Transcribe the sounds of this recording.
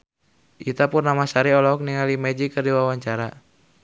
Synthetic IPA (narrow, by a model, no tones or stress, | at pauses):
ʔit̪apurnamasaɾiɔlɔɔk̚niŋalimɛd͡ʒikɨrdiwawaɲt͡ʃaɾa